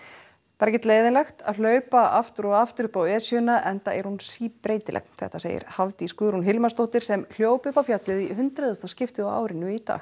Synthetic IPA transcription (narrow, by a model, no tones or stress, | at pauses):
pɛɾcɪt̪leːjðɪnlɛxt̪a̰ðl̥œːɥpaaft̪ʏɾɔɣaft̪ʏɾʏpawɛːsjʏnaʔɛnt̪a̰ɛɾ̥hunsiːpɾeːjt̪ɪlʔɛ̰kn̥θɛ̰ht̪asḛjɪ̰ɾ̥havt̪iskʏːɾhunɦɪlmast̪oht̪ɪɾ̥sɛml̥joːwpʏhpawfjat̪lɪðiɦʏnt̪ɾɛðʏst̪ascɪft̪ɪawa̰ːwɾɪnːʏit̪a̰ːx